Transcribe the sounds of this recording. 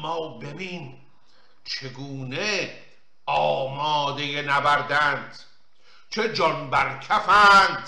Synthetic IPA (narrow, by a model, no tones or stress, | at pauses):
mɒːbe̞biːn | t͡ʃʰe̞ɡuːne | ɒːmɒːd̪e̞jenæbæɾd̪ænd̪̥ | t͡ʃʰed͡ʒɒnbæɾkʰæfæːnd̪̥